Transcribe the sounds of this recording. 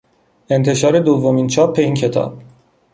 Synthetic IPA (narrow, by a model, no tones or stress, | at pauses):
e̞nt̪ʰe̞ʃɒːɾe̞d̪ovːomiːnt͡ʃʰɒːp̚ʰːe̞iːncʰe̞t̪ʰɒ̰ːb̥̚